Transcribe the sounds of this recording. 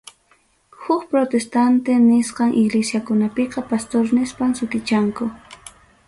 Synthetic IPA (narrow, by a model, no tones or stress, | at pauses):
hʊkpɾot̪est̪ant̪enɪsqɑŋʔɪɡlesjakʊnapeqɑpast̪oɾnɪspaŋsʊt̪ɪt͡ʃaŋkʊ